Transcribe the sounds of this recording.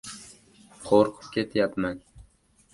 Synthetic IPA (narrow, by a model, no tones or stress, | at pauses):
qʰoɾqʰɨ̥p̚kʲʰet̪ʰjapman